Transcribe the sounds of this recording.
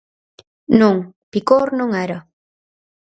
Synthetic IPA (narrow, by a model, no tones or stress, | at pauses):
nuŋpikoɾnõŋaɾa